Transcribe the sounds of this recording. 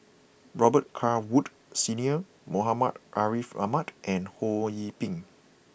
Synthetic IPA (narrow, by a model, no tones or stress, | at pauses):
ɹɔbət̚kʰawut | siniə | moɦamatʔaɹifa̰matʔɛ̃nhojipĩŋ